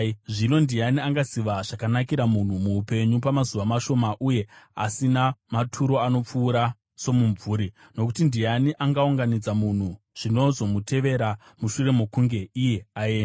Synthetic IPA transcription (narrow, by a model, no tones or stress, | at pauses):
ʐino̞ndianiaŋɡasiʋaʐakanakiɾamun̤umuːpe̞ɲupamazuʋamaʃo̞maʔuje̞a̰sinamatʰuɾo̞ano̞p͡fuːɾa | so̞muɱvuːɾi | no̞kutindijaniʔaŋɡauŋɡanid͡zamun̤u | ʐ̥ino̞zo̞mutʰe̞ʋe̞ɾa | muʃure̞mokuŋɡe̞ije̞aeːna